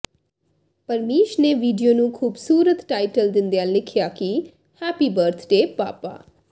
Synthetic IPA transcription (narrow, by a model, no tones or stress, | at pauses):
pəɾmeːʃneːʋiːɖijoːnũːkʰuːbsuːɾət̪ʈaːiʈəld̪ɪnd̪eaːlɪkʰjaːki | hɛːpiːbəɾt̪ʰɖeːpa̰ːpa̰ː